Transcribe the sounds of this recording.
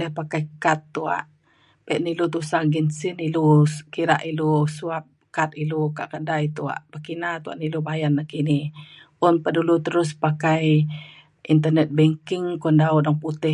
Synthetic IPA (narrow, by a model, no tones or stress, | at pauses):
lɛhpakajkat̪ːua̰ʔ | pɛʔnilut̪usaɡinsinilukiɾa̰ʔilusuap̚kat̪ilukaʔkədajt̪ua̰ʔpəkinat̪ua̰ʔnilubajanːakinɪh | ʊnpədulut̪əɾʊspakaj | int̪̬ənɛt̪̚bɛŋkɪŋkɔndaʊdɔŋput̪ɪ